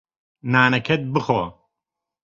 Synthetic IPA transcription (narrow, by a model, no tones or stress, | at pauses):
naːnɐkʰɐt̪̚bɨxoː